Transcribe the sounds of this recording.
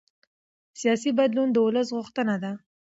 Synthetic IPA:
sijɑsibad̪lund̪əwʊləs̬ɣʊxt̪ənad̪a

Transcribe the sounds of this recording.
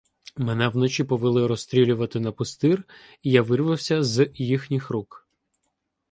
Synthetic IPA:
mɛnɛwnɔt͡ʃʲipɔʋɪlˠɪɾɔst̪ʲɾʲilʲʊʋɐt̪ɪnɐpʊst̪ɪr | ijaʋɪrʋɪwsʲɐzjixnʲɪxɾuk

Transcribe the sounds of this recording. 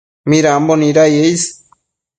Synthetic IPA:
mĩɾambonĩɾajejs

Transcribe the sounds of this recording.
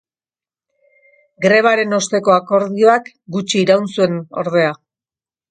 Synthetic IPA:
ɡɾe̞β̞aɾe̞no̞st̪e̞ko̞ako̞ɾðio̞ak | ɡut͡ʃiːɾawnsue̞no̞̰ɾð̞e̞a

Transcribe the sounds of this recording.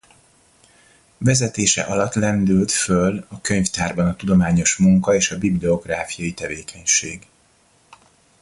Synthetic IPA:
vɛzɛt̪eːʃɛ̰ʔɒlɒt̪lɛnd̪ylt̪følɒkøɲft̪aːrbɒnɒt̪ud̪o̞maːɲo̞ʃmuŋkɒeːʃɒbiblio̞ɡraːfijɒjit̪ɛveːkʰɛɲʃeːɡ

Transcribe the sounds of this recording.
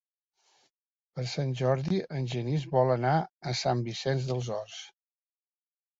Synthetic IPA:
pəɾsanʲʒɔɾðiənʲʒənizβɔlənaəsambisɛnzðəlˠzɔrs

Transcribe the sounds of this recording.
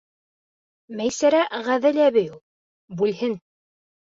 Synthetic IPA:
mæjsæɾæʁæðɘlæβɘju | bʉlhɘn

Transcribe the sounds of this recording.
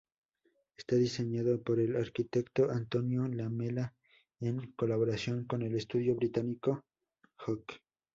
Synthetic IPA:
est̪aðiseɲaðopoɾelaɾkit̪ekt̪oʔant̪onjolamela | eŋko̞laβoɾasjo̞ŋko̞nelest̪uðjoβɾit̪aniko | xok

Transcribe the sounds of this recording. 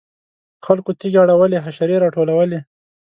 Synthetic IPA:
xalkot̪iɡaɽawəleɦaʃaɾeɾɑʈolawəle

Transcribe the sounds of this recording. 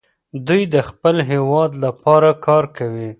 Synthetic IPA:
d̪ujd̪əxpəlɦewɑd̪lapɑɾakɑɾkawi

